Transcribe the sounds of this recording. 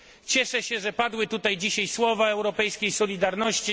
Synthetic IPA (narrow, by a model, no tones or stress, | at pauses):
t͡ɕɛʂɛɕɛʐɛpad̪wɘt̪ut̪ajd͡ʑiɕajswɔvaɛwɾɔpɛjskʲejsɔlʲid̪aɾnɔɕt͡ɕi